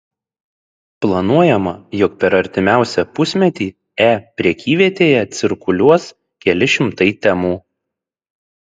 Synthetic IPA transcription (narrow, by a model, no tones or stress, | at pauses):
plˠɐnuɔjɛmɐjʊk̚pʲɛɾɐɾʲt̪ʲɪmʲæˑʊsʲɛpʊsʲmʲɛt̪ʲiː | æːpʲɾʲɛkʲiːʋʲiɛt̪ʲeːjɛt̪sʲɪɾkʊlʲuɔs | kʲɛlʲɪʃʲɪmt̪ɐɪt̪ʲɛmuː